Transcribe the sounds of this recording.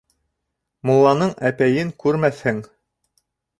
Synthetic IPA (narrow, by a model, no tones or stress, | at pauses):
mulˠːɑnɤɴæpæjɘŋkʉɾmæθhɘŋ